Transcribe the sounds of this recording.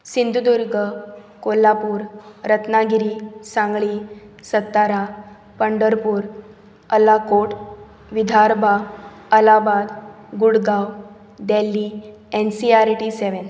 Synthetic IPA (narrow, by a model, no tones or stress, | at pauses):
sind̪ʱud̪uɾɡʱə | kolapuːɾɾət̪naɡʱiɾiːsãŋɡɭisət̪ːaɾa | pəɳɖəɾpuːɾ | əlakoʈ | ʋid̪ʱaɾba | əlabad̪ | ɡuɽɡaw | d̪ɛlːi | ɛnsiaɾʈiseʋən